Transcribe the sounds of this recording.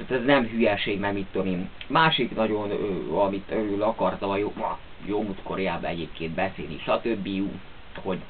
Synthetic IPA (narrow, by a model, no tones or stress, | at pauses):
t̪ɛznɛmɦyjɛʃeːɡmɛɡmit̪ːomimaːʃiknɒɟo̞nøːɒmit̪ølylɒkɒrt̪ɒmɒjoɒ̰ | jomut̪koɾɛjaːbɒɛɟeːpkeːnd̪̚bɛsḛːlnḭʃɒt̪øbːiju | ho̞ɟ